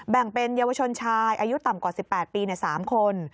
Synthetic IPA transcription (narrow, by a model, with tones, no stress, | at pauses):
bɛ˨˩ŋpe˧njaː˧wa˧t͡ɕʰo˧nt͡ɕʰaː˧jʔaː˧ju˦˥t̪a˨˩mkwaː˨˩si˨˩pːɛː˨˩t̪̚piː˧ni˧˩saː˩˦mkʰo˧n